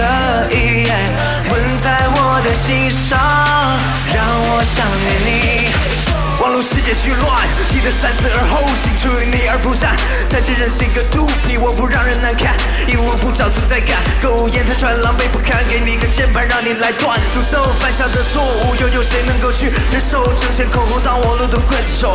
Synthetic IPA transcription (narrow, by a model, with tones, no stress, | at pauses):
ə˧˩ | i˧jɛ˥˩n | wə˧˥nt͡sa˥˧ɪwɔ˨˩d̪ə˨˩ɕi˥nʂɑ˥˩ | ŋ | ɻɑ˧˩ŋwɔ˨˩ɕjɑ˨˩ŋɛ˨˩ni˨˩ | wɑ˨˩ŋlu˥ʂɻ̩˥jɛ˨˩t͡ɕʰy˥˧lwa˥˩n | t͡ɕʰi˨˩d̪ə˧sa˥nsɹ̩˥˩ə˞˧˥xo˥˧ʊt͡ɕʰi˧˩ŋʈ͡ʂʰu˥˧˥ni˨˩ə˞˧˥pu˧˩ʂa˥˩n | t͡sa˥˧ɪʈ͡ʂə˥˧ɻə˧˥nʂɻ̩˥˩i˧˥ɡə˧t̪u˥˩pʰi˨˩wɔ˨˩pu˧˥ɻɑ˥˩ŋɻə˧˥nna˧˥nkʰa˥˩n | i˨˩wɔ˨˩pu˥˩ʈ͡ʂɑ˨˩ʊsʰu˧˥t͡sa˥˧ɪkʰa˥˩nko˥˧ʊ˨˩jɛ˥˧nt͡sa˥˩ɪʈ͡ʂʰwa˧˥nlɑ˧˥ŋpe˧˥ɪpu˥˩kʰa˥˧nke˧˥ɪni˨˩i˧˥ɡə˧t͡ɕjɛ˥˩npʰa˧˥ɻɑ˥˩ŋni˨˩la˧˥ɪt̪wa˥˩n˨t̪u˥˧˩t̪o˥˩ʊfa˥nɕjɑ˥˩ŋd̪ə˨t͡sʰwɔ˥˧u˥˩jo˧˩ʊjo˨˩ʂe˧˥ɪnɤ˧˥ŋko˥˧ʊt͡ɕʰy˥˩ | ə˧˥nʂo˥˧ʊʈ͡ʂʰɤ˧˩ŋɕə˧˥nkʰʊ˨˩ʊko˥t̪ɑ˥˩ʊwɔ˨˩lu˥˩t̪o˧kwə˥˩nʂo˨˦ʊ